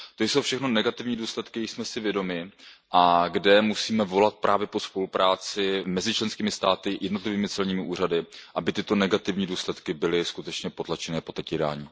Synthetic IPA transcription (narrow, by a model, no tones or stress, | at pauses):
t̪o̞jsowfʃɛxno̞nɛɡat̪ɪvɲiːduːslɛt̪kɪjɛsmɛsɪvjɛdo̞mɪʔaɡdɛmusiːmɛvo̞lat̪̚pɾʔaːvjɛpo̞spo̞lupɾaːt͡sɪmɛzɪt͡ʃlɛnskiːmɪst̪aːt̪ɪjɛdno̞t̪lɪviːmɪt͡sɛlɲiːmɪʔuːr̝adɪʔabɪt̪ɪt̪o̞nɛɡat̪ɪvɲiːduːslɛt̪kɪbɪlɪskut̪ɛt͡ʃɲɛpo̞t̪lat͡ʃɛnɛːpo̞t̪ɛcjɛda̰ːɲiː